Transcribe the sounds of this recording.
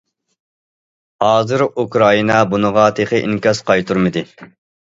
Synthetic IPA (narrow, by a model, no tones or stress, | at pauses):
hɑːzɨɾukɾɑinɑbunəʁɑt̪ʰeχəʔḭŋkʲɑsqʰɑjt̪ʰuɾmɨd̪ɪ